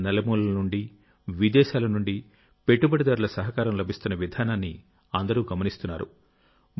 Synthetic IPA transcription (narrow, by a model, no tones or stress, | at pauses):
nɛlɐmuːlɐɐnuɳɖi | ʋid̪ɛːʃaːlɐnuɳɖi | pe̞ʈːubɐɽid̪aːɾulɐsɐɦɐkaːɾɐmlɐbʱist̪unːɐʋid̪ʱaːnaːnːḭ | ɐnd̪ɐɾuːɡɐmɐnist̪unːa̰ːɾṵ